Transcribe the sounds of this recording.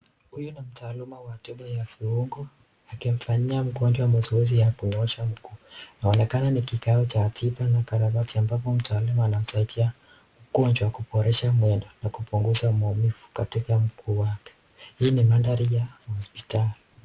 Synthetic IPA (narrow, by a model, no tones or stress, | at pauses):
hujunim̩taːlumawatɛɓajafuuŋɡɔ | akim̩faɲiam̩kɔɲd͡ʒwamɔsiwɛzijakuɲɔʃam̩kuːnaɔnɛkananikikaɔt͡ʃatʰipanakaɾaβatiambapɔm̩taːlumaːnam̩saitʰia | m̩kɔɲd͡ʒwakuɓɔɾɛʃamwɛndɔnakupuŋɡuzaumɔmifu̥katikam̩kʰuːwakɛ̥ | hiːnimandaɾijahɔspitali